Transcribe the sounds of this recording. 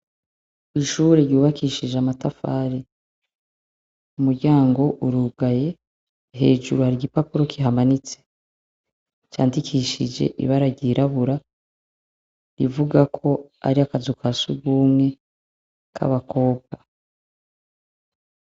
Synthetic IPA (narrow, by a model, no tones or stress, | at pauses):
iʃuːɾeɾjuːβakiʃid͡ʒamatafa̰ːɾi | umuɾɟaːŋɡo̞ʔuɾuɡaje̞ | ɦe̞̰ːd͡ʒṵɾuhaɾiɟipapuɾo̞kʰiɦamanit͡se̥ | t͡ʃa̰ːndikʰiʃid͡ʒe̞̰ʔḭβaɾaɟiɾaβuɾa | ɾivuɡakʰo̞a̰ɾiakazukʰasuɡuːmŋe̞ | kʰa̰βako̞ːb̚ɡ̥a